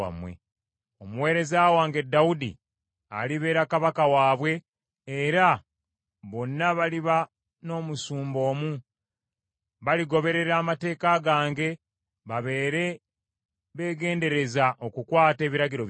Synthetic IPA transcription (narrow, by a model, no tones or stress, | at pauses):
a̰mwḛ | omuwe̞ːɾe̞zaːwaːŋɡe̞dːawudḭ | a̰liβe̞ːɾakaβakawaːβwe̞ː | ɾa | βo̞nːaβaliβa | no̞ːmusuːmbo̞ːmu | βaliɡo̞βe̞ɾe̞ɾaːmate̞ːkaɡaːŋɡe̞ | βaβe̞ːɾe̞ | βe̞ːɡe̞ːnde̞ɾe̞zaʔo̞kukwaːte̞ːβiɾaɡiɾo̞